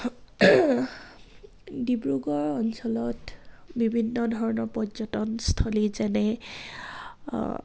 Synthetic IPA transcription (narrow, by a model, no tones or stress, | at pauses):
dibɹuɡɔɹɔnsɔlɔt | bibʱinːɔdʱɔɹɔnɔɹpɔzɔtɔnstʰolizɛnɛ